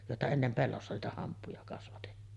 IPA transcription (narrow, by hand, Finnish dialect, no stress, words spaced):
joˑetɑ enːem pelːosːɑ niːtæ hɑmpːujɑ kɑsʋɑtetːiːn